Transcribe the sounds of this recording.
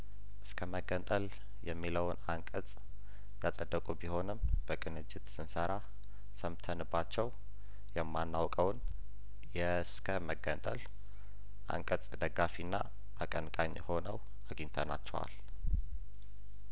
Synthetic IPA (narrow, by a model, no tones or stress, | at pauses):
ʔɨskʰəməɡənt̪ʼəl | jɛmːiləwnaŋkʼət͡s̪ʼ | jasʼəd̪ːəkʼubiho̞nɨmb̥əkʼɨnɨd͡ʒːɪt̪sɨnsəɾa | səmt̪ʰənbːat͡ʃːɛw | jɛmːanːawkʼəwn | jɛ | skʰəməɡənt̪ʼəl | ʔa̰ŋkʼət͡sʼd̪əɡːafinːa | ʔakʼənkʼaɲːho̞nəw | aɡint̪ʰəna̰t͡ʃːɛwa̰l